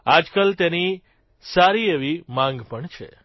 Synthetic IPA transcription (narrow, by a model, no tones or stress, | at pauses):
ad͡ʒkəlt̪eni | saɾieʋimãŋɡpəɳt͡ʃʰḛ